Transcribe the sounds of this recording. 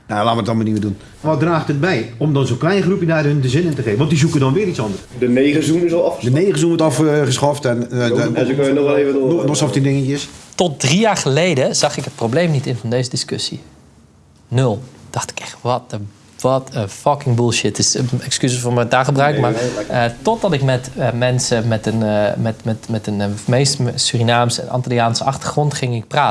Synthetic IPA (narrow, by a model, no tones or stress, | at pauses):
nalaːʋədtɔnmaniʋədun | ʋɔt̚draːχtət̚bɛjomdɔnzoklɛjnχrupjənaːdəhøndəzɪnəntəχeːvəʋɔnt̚dizukədɔnʋɪːɾitsɔndərsdəneɣəzunɪsɔlˠɔfədəneːɣəsunʋɔtɔfχəsχɔftɛn | øənɔɛlevənɔsɔftindɪŋəəstɔt̚drijaːrχəlejdəz̥ɑxɪkɦət̚prowbleːmnitɪnfɔndeːzədiskøsi | nɵlˠd̥ɑχtɪ̥kɛχʋɔtə | ʋɑtəfɑkɪŋbulˠʃɪtɪsɛkskyzəfoːmɛdaːχəbrœɥkmaɹtɔt̚dɑtɪkmɛtmɛnsəmɛtənmɛtmɛtmɛtənmejstsyrinaːmsɛ̰nɑ̰ntaliaːnsəɑχtəχrɔntχɪŋɪk̚praːt